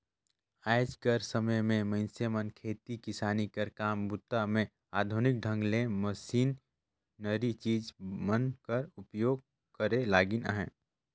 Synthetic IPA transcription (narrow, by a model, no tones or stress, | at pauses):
aːɪd͡ʒkəɾsəməjmẽməɪnsemənkʰeːt̪ikɪsaːnikəɾkaːmbʊt̪ːamẽ | aːd̪ʱʊnɪk̚ɖʱə̃ŋɡlẽməsiːnː | əɾit͡ʃiːd͡ʒmənkəɾʊpjoːɡ̚ | kəɾelaːɡɪnə̰ɦɛ̰̃ː